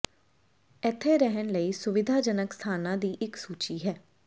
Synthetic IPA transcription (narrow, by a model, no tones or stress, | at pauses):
ɪt̪ʰːeːɾɛɦənləiːsʊʋɪd̪ʱaːd͡ʒənəkst̪ʰaːnãːd̪iːʔɪksuːt͡ʃiːɦɛː